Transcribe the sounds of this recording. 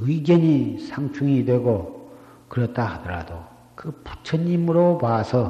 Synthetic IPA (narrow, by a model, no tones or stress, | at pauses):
ɯɡjʌɲisʰaŋt͡ɕʰuŋidwe̞ɡo | kɯɾʌt̚t͈ahadʌɾa̰do | kɯpu̥t͡ɕʰʌɲːimɯɾopaːsʰʌ